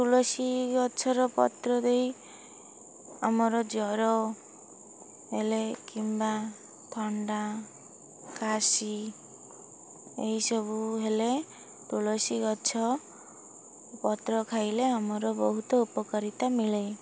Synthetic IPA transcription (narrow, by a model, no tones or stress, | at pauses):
t̪ulɔsikɔːt͡ʃʰɔɾɔpɔ̰t̪ɾɔd̪ej | amɔɾɔd͡ʒɔɾɔ | ɦelekimba | t̪ʰɔɳɖa | kasi | eɦisɔbuɦele | t̪ulɔsikɔt͡ʃʰɔ | pɔt̪ɾɔkʰajleamɔɾɔbɔɦut̪ɔupɔkɔɾit̪amiɭej